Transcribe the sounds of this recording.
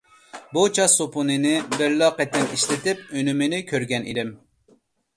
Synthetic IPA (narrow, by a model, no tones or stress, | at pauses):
but͡ʃʰɑsopʰunɨnɪbɪɾlɑqɛt̪ːɪniʃlɪt̪ɪp̚ønymɪnɪkʲʰøɾɡʲɛnʔid̪ɪm